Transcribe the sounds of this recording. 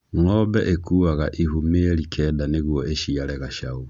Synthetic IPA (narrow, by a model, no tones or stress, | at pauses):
ŋɔbɛʔekʰuaɣaʔihumeɾikʰɛdaneɣwɔeʃialɛɣaʃau